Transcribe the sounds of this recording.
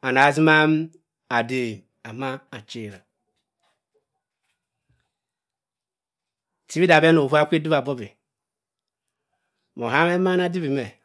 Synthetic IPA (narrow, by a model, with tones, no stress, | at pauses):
a˨na˨zi˦ma˦m˦ | a˨de˨ | a˨ma˦a˨t͡ʃe˨ɾa˨ | ti˦bi˦da˨be˦no˨u˦a˦kʷe˦di˦ba˨bo˦be˨ | mo˨a˦me˦ma˦na˦di˦bi˨me˨